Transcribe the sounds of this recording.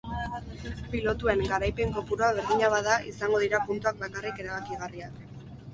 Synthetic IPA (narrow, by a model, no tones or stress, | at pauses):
pilo̞t̪ue̞ŋɡaɾajpe̞ŋko̞puɾoaβ̞e̞ɾðiɲaβaðaʔisaŋɡo̞ð̞iɾapunt̪uak̚bakarike̞ɾaβakiɣariak